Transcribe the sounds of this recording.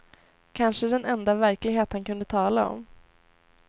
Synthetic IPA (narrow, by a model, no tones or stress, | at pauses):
kʰanʂəd̪ɛnɛnd̪avæɾklɪɡɦeːt̪hankɵnd̪ət̪ʰɑːlaɔ̰m